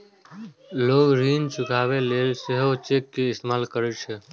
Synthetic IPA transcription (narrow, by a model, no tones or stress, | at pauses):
loːɡɾiːnt͡ʃʊkʰaːʋeleːlseɦot͡ʃeːkːeɪst̪emaːlkəɾet͡ʃʰe